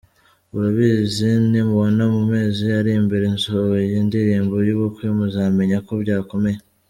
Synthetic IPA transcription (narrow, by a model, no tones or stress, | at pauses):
uɾuβiːzinimuβonamume̞ːziaɾimbiɾenzojiːndiɾiːmbojuβukwimuzame̞ɲako̞bɟaːko̞me̞je